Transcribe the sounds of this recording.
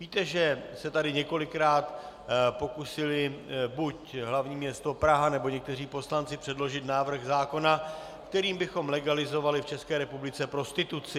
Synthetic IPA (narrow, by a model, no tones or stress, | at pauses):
viːt̪ɛʒɛsɛt̪adɪɲɛko̞lɪkɾaːt̪ | po̞kusɪlɪbucɦlavɲiːmɲɛst̪o̞pɾaɦanɛbo̞ɲɛk̚t̪ɛriːpo̞slant͡sɪpr̥ɛdlo̞ʒɪt̪naːvr̩ɣzaːko̞na | kt̪ɛɾiːmbɪxo̞mlɛɡalɪzo̞valɪft͡ʃɛskɛːɾɛpublɪt͡sɛpɾo̞st̪ɪt̪ut͡sɪ